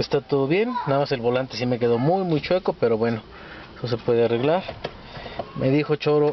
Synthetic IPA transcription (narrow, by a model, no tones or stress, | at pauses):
est̪at̪o̞ðo̞βje̞nːaðamase̞lβo̞lant̪e̞sime̞ke̞ðo̞mujmujt͡ʃwe̞ko̞pe̞ɾo̞βwe̞no̞ | sos̬e̞pwe̞ðeare̞ɣlaɾ | mʔe̞ðixo̞t͡ʃo̞ɾo